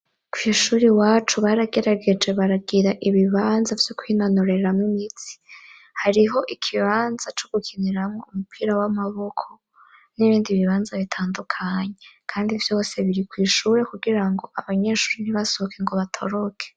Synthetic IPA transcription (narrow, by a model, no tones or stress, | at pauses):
kwiʃuːɾiwaːt͡ʃuβaːɾaɡe̞ɾaɡe̞d͡ʒe̞βaɾabɡiɾaʔiβiβaːnzavjokwinanoɾe̞ɾamŋimit͡si̥ | haɾiɦo̞ʔikʰiβaːnzat͡ʃo̞ɡ̥ukʰiniɾamŋo̞umupʰiːɾawamaβo̞kʰo̞̥ | niβiːndiβiβaːnzaβitʰaːndukʰaɲekʰaːndivjo̞ːse̞βiɾikwiːʃuːɾe̞kuɡiɾaŋɡo̞ʔaβaɲe̞ʃuːɾeniβaso̞kʰeŋɡo̞βatʰo̞ɾo̞kʰe̥